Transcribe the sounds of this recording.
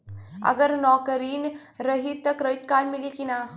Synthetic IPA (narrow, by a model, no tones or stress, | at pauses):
ə̰ɡəɾnɔkəɾiːn | ɾəɦit̪ːəkɾəjt̪̚kalmilikina